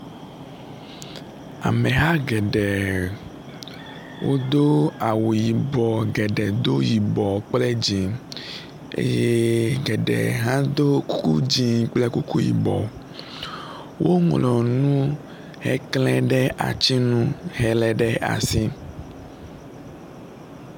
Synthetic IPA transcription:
a̰˨mɛ˨ɦa˦ɡɛ˨ɖɛ˨ | wʔo̰˦d̪o˦a˨wu˨ji˨bɔ˨ɡɛ˨ɖɛ˨d̪o˦ji˨bɔ˨k͡ple˦d͡ʑi˨ | ḛ˦je˦ɡɛ˨ɖɛ̰˨ɦã˦d̪o˦ku˦kṵ˦d͡ʑi˨k͡ple˦ku˦ku˦jḭ˨bɔ̰˨ | wʔo˦ŋlɔ˨nũ˦ | hɛ̰˦klɛ̃˦ɖɛ˦ʔa̰˨t͡ɕi˦nũ˦ɦɛ˨lɛ˦ɖɛ˦ʔa̰˨si˦

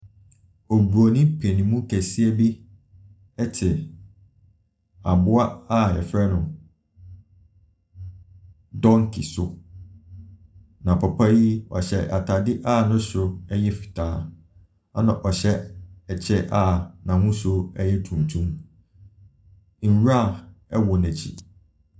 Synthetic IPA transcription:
ɔ˨bu˨o˨nĩ˦pʰe˨nĩ˨mũ˦kʰæ˨si˦ɛ˦bi˦ | ɛ˦tʰɪ˨ | a˨bʊ˦a˦a˦ɛ˨fɾɛ˦nʊ̃˨ | dɔ̃˦ŋkʰḭ˨sʊ˦ | nã˨pʰɔ˨pʰa˦ji˦ɔ̰˨ɕɛ˦˨ʔa˨tʰa˨dɪ˦ʔa˦˨nʊ̃˦ɕʊ˦ɛ˦ɲɛ˦fi̥˨tʰaː˨˦ | a˦nã˨ʔɔ˨ɕɛ˦ɛ˨t͡ɕʰɛ˦ʔa˦˨nã˨hũ˦sʊ˦ɛ˦jɛ˦tʰũ˨n˨tʰũ˦m | n̩˨wa˦˨ɛ˦wɔ˨nɛ̃˨t͡ɕʰḭ˨

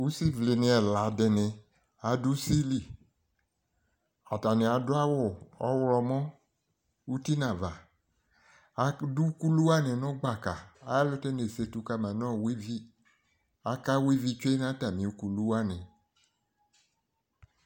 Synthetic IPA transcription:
u˦si˦vli˨nẽ˨ɛ˨la˨˦dɛ˨nɛ̃˨ | a˨du˦si˦li˦˨ | a˨ta˨ne˨a˨dʊ˦a˦wʊ˦˨ɔ̰˦wlɔ˧mɔ̃˦ | u˦ti˦nã˨va˨ | a˨du˦ku˦lu˦a˦nɛ˨nʊ̃˦ɡ͡ba˨ka˨a˨ja˦lʊ˦te˦ne˨se˧tu˧ka˦mã˨nɔ̃˦˨wi˦vi˦ | a˨ka˦wi˦vi˦t͡ʃe˦nã˦ta˨mĩ˨u˦ku˨lu˦a˦nɛ̃˨

